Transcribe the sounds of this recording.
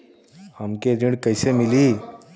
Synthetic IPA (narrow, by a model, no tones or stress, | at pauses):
həmkeɾĩɽkɐɪsemɪli